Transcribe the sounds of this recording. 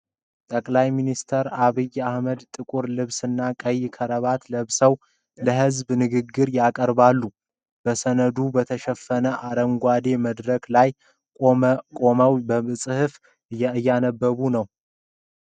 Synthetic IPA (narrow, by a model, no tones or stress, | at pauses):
t̪ʼəkʼlajminist̪ʰəɾaβɨjahməd̪t̪ʼɨkʼuɾlɨβsɨnːakʼəjːkʰəɾəβat̪ləβsəw | ləɦɨzbnɨɡɨɡːɨɾjakʼəɾbalːu | b̥əsənəd̪ubət̪ʰəʃɛfːənəʔaɾəŋɡʷad̪e̞məd̪ɾəklajʼ | kʼo̞məwbəɨsʼɨhɨf | ɨjːanəbːəβunəw